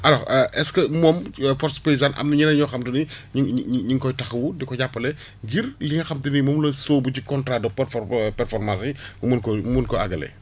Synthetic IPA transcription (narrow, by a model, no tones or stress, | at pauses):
ʔɐlɔʔɛskɐmɔːmfɔrspeizanʔɐ̰mnɐɲinɐɲɔxɐmtuniɲiɲiŋkɔjtɐxɐwudɛkɔɟapːɐlɛ | ɡirliŋɐxɐmtunimɔːmlɐsoːbucikɔntɾaːdɔpɛɾfɔpɛɾfɔrmasiumunkɔmumunkɔɐ̰ɡɐlɛ̰